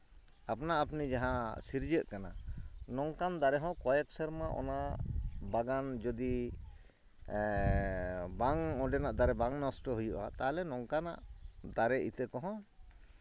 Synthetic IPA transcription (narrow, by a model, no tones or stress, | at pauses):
apnaʔapnid͡ʒaɦãsiɾd͡ʒəʔkananɔŋkand̪aɾɛɦɔ̃kɔjɛksɛɾmaʔɔ̰na | baɡand͡ʒɔd̪i | baŋɔ̃ɖɛnaʔd̪aɾɛbaŋnɔsʈɔɦujuʔa̰t̪alɛnɔŋkana̰ʔd̪aɾɛʔit̪ɛkɔɦɔ̃